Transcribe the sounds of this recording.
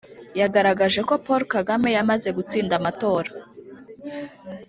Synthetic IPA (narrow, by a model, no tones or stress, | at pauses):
jaɡaɾaɡaʒe̞ko̞poɾkaɡame̞jamaze̞ɡut͡siːndamato̞ːɾa